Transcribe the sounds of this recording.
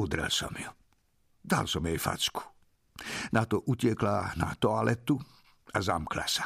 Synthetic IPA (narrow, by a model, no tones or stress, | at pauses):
ud̪ɾɛ̰lsɔ̰mju | d̪a̰lsɔmjɛjfa̰t͡sku̥ | nat̪ɔʔucɪɛklana̰t̪ɔalɛt̪u | azamkla̰sḁ